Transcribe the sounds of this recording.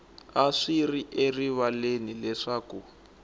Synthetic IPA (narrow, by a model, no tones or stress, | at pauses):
aʂiriʔeriβalenilɛʂaːku